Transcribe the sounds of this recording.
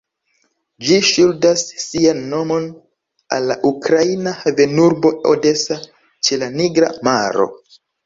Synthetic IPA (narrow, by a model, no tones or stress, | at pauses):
d͡ʒiʃuldasːianːo̞mo̞n | a̰lːaʔukɾainaheve̞nuɾbo̞o̰de̞sa | t͡ʃe̞laniɡɾa̰maɾo̞̰